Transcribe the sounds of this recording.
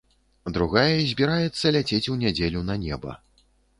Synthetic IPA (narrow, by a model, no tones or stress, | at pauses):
d̪ɾuɣajɐzʲbʲiɾajɛt̪sːɐlʲat͡sʲet͡sʲuwnʲad͡zʲelʲunɐnʲɛbɐ̰